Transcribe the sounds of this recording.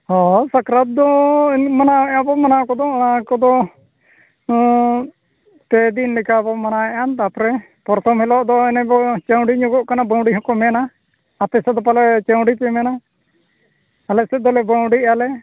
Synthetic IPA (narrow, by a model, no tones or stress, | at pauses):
hɔsakɾat̪̚d̪ɔmanaɛabɔmanakɔd̪ɔakɔd̪ɔ | t̪ɛd̪inlikabɔmanaɛʔant̪apɾɛ | pɔɾt̪ʰɔmhɛlɔʔd̪ɔɛnɛbɔt͡ʃəw̃ɖiɲuɡɔʔkanabawɖiɦɔkɔmɛnaː | t̪ɛsɛd̪ɔpalɛt͡ʃaw̃ɖipɛmɛna | alɛsɛd̪ɔlɛbawɖialɛ